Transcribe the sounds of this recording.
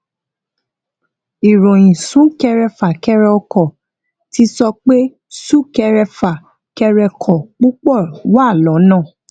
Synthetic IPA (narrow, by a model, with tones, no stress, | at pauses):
i˨ɾõ˨j̃ĩ˨sũ˨˦kɛ˧ɾɛ˧fa˨kɛ˧ɾɛ˧ɔ˧kɔ˨ | ti˦sɔ˧k͡pe˦ | su˦˨kɛ˧ɾɛ˧fa˨ | kɛ˧ɾɛ˧kʰɔ˨k͡pu˦k͡pɔ˦˨wa˦˨lɔ˨˦nãː˦˨